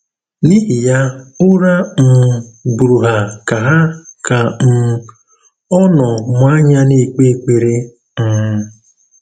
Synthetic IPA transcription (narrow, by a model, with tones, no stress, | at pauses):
ni˦ɦi˨ja˦ʊ˦ɾa˦m̩˨bu˨ɾu˨ɦa˨ka˨ɦa˦ka˨m̩˨ | ɔ˦nɔ˨mʷa˦ɲa˦ni˨k͡pe˦˨k͡pe˨ɾe˦ | m̩˨